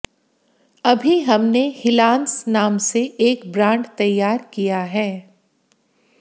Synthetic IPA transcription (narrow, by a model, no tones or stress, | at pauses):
ɐbʱiɦɐmnehɪlãːnsnaːmseʔeːkbɾãːɳɖt̪ɐjːaːɾkijaɦɛː